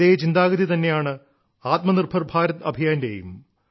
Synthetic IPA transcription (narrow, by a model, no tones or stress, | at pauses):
eːt͡ɕind̪aːɡɐðit̪ɐnːe̞jaːɳɨ | aːt̪mɐnirbʱɐrbʱaːɾɐt̪ɐbʱijaːndejṵm